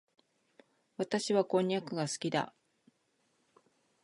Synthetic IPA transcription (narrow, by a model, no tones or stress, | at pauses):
βat̪aɕiβakõ̞ɲ̟ːakɯ̟ɡasɨ̥kʲid̪a̰